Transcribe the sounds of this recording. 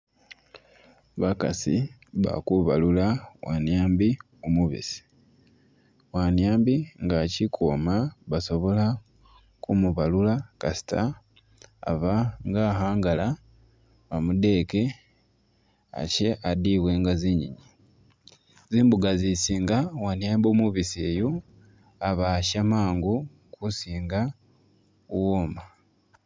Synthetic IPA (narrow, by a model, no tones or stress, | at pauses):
βaka̰sḭ | βa̰kuβalulawanjaːmbi | omuβḭsi̥ | wanjaːmbiŋɡacikʰomaβaso̞βo̞la | kumuβalulakasi̥tʰa̰ː | βaŋɡaɦaːŋɡala | βamude̞ke̞ | a̰ce̞adiβwe̞ŋɡaziɲḭɲi | ziːmbuɡazisiːŋɡawanjaːmboːmuβisejo | aβaʃamaːŋɡu | kusiːŋɡa | woma